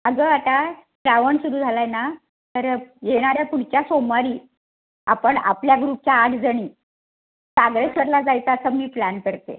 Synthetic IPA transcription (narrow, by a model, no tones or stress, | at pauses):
əɡəat̪aʈɾaʋəɳsuɾuːd͡zʱalajna | t̪əɾjeɽ̃aɾjapuɽ̤t͡ɕjasomaɾiː | a̰pəɳa̰pljaɡɾuːp̚t͡ɕjaːʈʰd͡zəɽ̃iː | saɡɾesəɾlad͡zajt͡s̪aːsəmiːplænkəɾt̪ḛ